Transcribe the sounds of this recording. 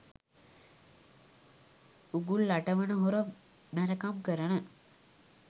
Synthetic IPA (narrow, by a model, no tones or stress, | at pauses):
uɡulːaʈəʋənəɦuɾə | mæɾəkamkəɾənə